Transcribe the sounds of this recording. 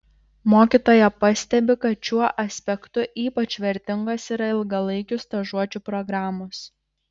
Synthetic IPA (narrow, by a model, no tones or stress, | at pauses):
moːkʲiːˑt̪oːjɛpɐsʲt̪ʲɛbʲɪkɐt̪t͡ʃʲuɔʔɐsʲpʲɛkt̪ʊʔiːpɐt͡ʃʲʋʲɛɾʲt̪ʲɪŋɡɐsiːɾɐɪlˠɡɐlˠɐɪkʲʊst̪ɐʒuɔt͡ʃʲupɾɔɡɾɑːmʊs